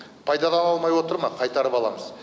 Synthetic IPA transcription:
pʰɑjd̪ɑd̪ɑnɑlˠmɑjwo̞t̪əɾmɑqʰɑjt̪ɑɾəpɑlˠɑ̰məz

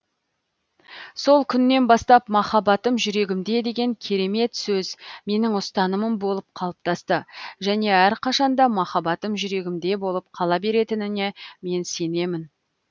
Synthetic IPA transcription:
so̞lˠkʲʰʏnːe̞nbɑst̪ɑpmɑχɑbɑt̪əmʒʏɾe̞ɡʲɪmd̪e̞d̪e̞ɡʲe̞ŋkʲʰe̞ɾe̞me̞t̪sɵzme̞nɪŋʊst̪ɑnəməmbo̞lˠəp̚qʰɑlˠəp̚t̪ɑst̪əʒæne̞æɾqʰɑʃɑnd̪ɑmɑχɑbɑt̪əmʒʏɾe̞ɡʲɪmd̪e̞bo̞lˠəp̚qʰɑlˠɑbe̞ɾe̞t̪ɪnɪne̞me̞nse̞ne̞mɪn

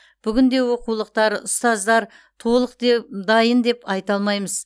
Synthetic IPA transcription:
b̥ʏɡʲɪnd̪e̞wo̞qulˠəq̚t̪ɑɾʊ̰st̪ɑzd̪ɑɾ | t̪ʰo̞lˠəqd̪ed̪ɑjənd̪e̞pɑjt̪ɑlˠmɑjməz̥

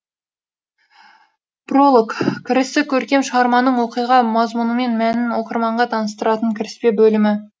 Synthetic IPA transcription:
pro̞lˠokkʲʰːɪɾɪst̪ɪkʲʰɵɾkʲe̞mʃəʁɑɾmɑnəɴwo̞qijʁɑmɑzmunəme̞nmænɪnwo̞qəɾmɑɴʁɑt̪ʰɑnəst̪əɾɑt̪əŋkʲʰɪɾɪspe̞bɵlɪmɪ

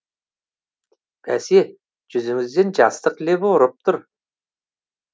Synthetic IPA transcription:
bʰæse | d͡ʒʏzɪŋɪzd̪end͡ʒɑst̪əqleboɾəp̚t̪ʰʊɾ

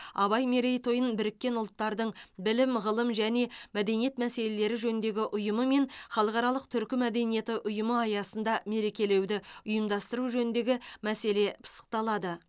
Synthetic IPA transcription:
ɑβɑjme̞ɾejt̪ʰo̞jənbɪɾɪkʲːe̞nʊlˠt̪ːɑɾd̪əɴbɪlɪmʁəlˠəmʒæne̞mæd̪e̞nije̞t̪mæse̞le̞le̞ɾɪʒɵnɪnd̪e̞ɡʲɪʔʊjəməme̞ɴχɑlˠəqɑɾɑlˠəq̚t̪ʰʏɾkʲɪmæd̪e̞nije̞t̪ɪʔʊjəməɑjɑsən̪d̪ɑme̞ɾe̞kʲe̞le̞wd̪ɪʊjəmd̪ɑst̪əɾuʒɵnɪnd̪e̞ɡʲɪmæse̞le̞pʰə̥sə̥q̚t̪ɑlˠɑd̪ə

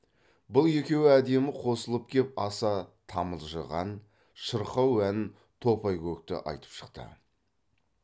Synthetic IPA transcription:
bʊlˠje̞kʲe̞wɪæd̪e̞mɪqʰo̞səlˠəp̚kʲʰe̞p̚ɑsɑt̪ʰɑməlˠʒəʁɑ̰n | ʃəɾqɑwænɪn | t̪ʰo̞pɑjkʲʰɵk̚t̪ɪ̰ʔɑ̰jt̪ə̥pʃə̥qt̪ə̰

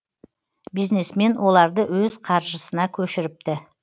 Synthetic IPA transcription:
bijzne̞sme̞nwo̞lˠɑɾd̪əwɵz̥qʰɑɾʒəsənɑkʲʰɵʃɪɾɪp̚t̪ɪ

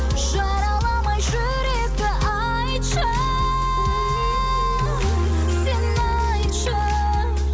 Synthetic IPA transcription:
ʒ̥ɑɾɑlˠɑmɑjʒɵ | ɾekɪʔɑ | j | ʃə | senː | ɑ | jʃə

